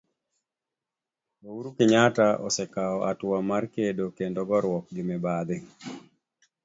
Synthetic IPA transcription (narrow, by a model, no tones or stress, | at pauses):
ouɾukɪɲataʔɔ̰sɛkaɔʔatwamaɾkedokendɔɡɔɾwɔk̚ɡɪmɛbad̪ɪ